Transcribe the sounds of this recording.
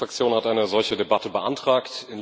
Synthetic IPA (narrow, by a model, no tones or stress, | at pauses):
fʁ̥akt͡sjoːnhatʔaɪnəzɔlçədebatəbəʔa̰ntʁ̥aːktɪn